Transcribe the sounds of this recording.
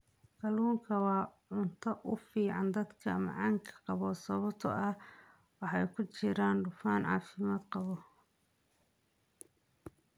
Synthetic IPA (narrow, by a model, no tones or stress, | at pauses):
kɐluːŋkʰɐwɑːʕʊnt̪ʰɐʔʊfiːʕɑnd̪ɐd̪kʰɐ̰mɑ̰ʕɑŋkʰɐ̥qɑβɔsɐβɔt̪ʰɔ̰ʔɐ | wɑħɑjkʰʊt͡ʃɪɾaːnɖʊfaːnʕɑ̰ːfɪmaːd̪qɑβɔ